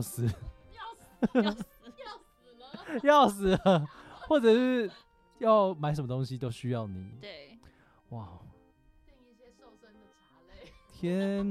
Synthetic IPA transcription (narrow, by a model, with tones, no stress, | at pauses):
sɹ̩˨˧ | jɑ˥˨ʊs̬ɹ̩˨˥xwɔ˥˩ʈ͡ʂɤ˨ʂɻ̩˥˩ | jɑ˥˨ʊma˨˧ɪʂə˨˩mə˦t̪o˥ŋɕi˦t̪o˥ʊɕy˦jɑ˥˩ʊni˨˩˦ | wa˥˨˩ | t̪ʰjɛ˦n